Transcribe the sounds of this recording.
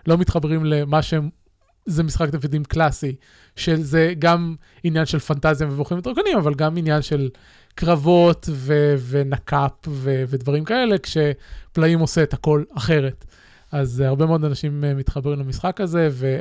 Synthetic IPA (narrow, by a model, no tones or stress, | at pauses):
lo̞mit̪χabʁimlemaʃem | zemisχakd̪evidimklasi | ʃezeɡam | injanʃe̞lfantazjaveboχimt̪ʁokanimavalɡaminjanʃe̞l | kʁavo̞t̪ve̞venakʰapveved̪vaʁimkae̞le̞kʃe̞plaimoseːt̪hako̞laχe̞ʁe̞t | azhaʁbe̞meo̞d̪anaʃimmit̪χabʁimlamisχakaze̞ve̞